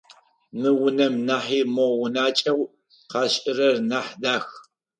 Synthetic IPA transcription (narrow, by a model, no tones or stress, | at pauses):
mɨwʊnɐmnaːħiːmowʊnaːt͡ʃʼɐw | qɑːɕʼɪrɐrnaːħdaːx